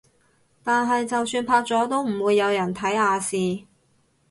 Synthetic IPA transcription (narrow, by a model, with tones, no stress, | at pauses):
t̪aː˨˧nɦɐ˨jt͡sɐ˨wsyː˧npʰaː˧k̚t͡sɔː˨˥t̪o˥wm̩˨˩wuː˨˧jːɐ˨˧wjɐ˨˩nt̪ʰɐ˨˥jhaː˨˧siː˨